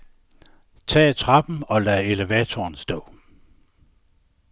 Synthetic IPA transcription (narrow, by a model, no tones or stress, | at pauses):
t͡sʰɛ̰ːt͡sʰʁɑ̈b̥m̩ɒ̽læe̝leʋɛːt͡sʰoːnsd̥ɔ̰ː